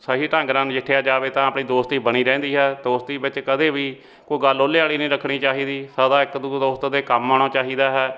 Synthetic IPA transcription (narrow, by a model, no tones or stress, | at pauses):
saːɦiːʈə̃ŋɡɾãːnd͡ʒɪʈʰejaːd͡ʒaːʋeːt̪ãːəpɳĩːd̪oːst̪iːbəñiːɾɛ̃ːnd̪iːɦɛːd̪oːst̪iːbɪt͡ʃkəd̪eːʋiː | koːiːɡəloːleːaːliːnəĩːɾəkʰːɽ̃iːt͡ʃaːɦiːd̪iːsəd̪ãːɪkd̪uːd̪oːst̪d̪eːkəmːaːɽ̃ãːt͡ʃaːɦiːd̪aːɦɛː